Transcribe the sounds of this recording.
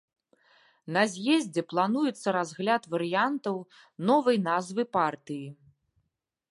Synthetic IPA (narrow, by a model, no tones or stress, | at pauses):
nɐzʲjɛzʲd͡zʲɛplˠanujɛt̪sːɐɾazɣlʲat̪vɐɾɨjant̪ɐw | nɔvɐjnazvɨpart̪ɨji